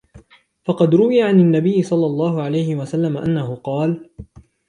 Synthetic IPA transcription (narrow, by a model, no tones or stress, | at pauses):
fɑqɑd̪ɾʊwɪjaʕananːabɪjːɪsˤɑlːɑlˤːɑːɦʊʕalajhɪwasalːamaʔanːahʊqɑːl